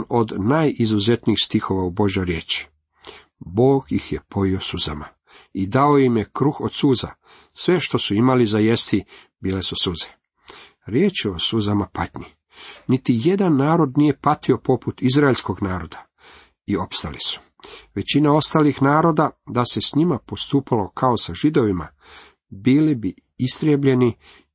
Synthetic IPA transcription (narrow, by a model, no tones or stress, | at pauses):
no̞d̪naːjizuze̞t̪niːxst̪ixo̞ʋaubo̞ʒjo̞jɾje̞ːt͡ʃi̥ | bo̞ːɡjixje̞pʰo̞jiosuza̰ma | id̪ao̞jimje̞kɾuxo̞d̪suːza̰ | sʋe̞ʃt̪o̞suimalizajest̪i | biːle̞susuze̥ | ɾjeːt͡ʃeo̞suzamapat̪ɲi | nit̪ije̞d̪anːaːɾo̞d̪nije̞pat̪io̞po̞put̪izɾaeʎʲsko̞ɡnaːɾo̞d̪a | io̞pst̪alisu̥ | ʋe̞t͡ɕinao̞st̪alixnaːɾo̞d̪ad̪ase̞sɲimapo̞st̪uːpalo̞kʰaosaʒid̪o̞ʋima̰ | bilibi | ist̪ɾʲjebʎe̞ni